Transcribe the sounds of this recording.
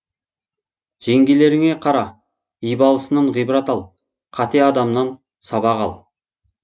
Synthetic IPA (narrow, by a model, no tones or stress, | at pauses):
ʒ̥e̞ŋɡʲele̞ɾɪŋe̞qʰɑɾɑ | ijbɑlˠəsənɑɴʁijbəɾɑt̪ɑlˠ | qʰɑt̪e̞ɑd̪ɑmnɑn | sɑbɑʁɑlˠ